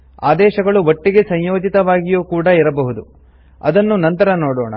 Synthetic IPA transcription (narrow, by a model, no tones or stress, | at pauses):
a̰ːd̪ɛːʃɐɡɐɭuʋɐʈːiɡe̞sɐɲjo̞ːd͡ʒit̪ɐʋaːɡijuːkuːɽɐiɾɐbɐɦud̪u | ɐ̰d̪ɐnːunɐnt̪ɐɾɐnoːɽoːɳɐ̰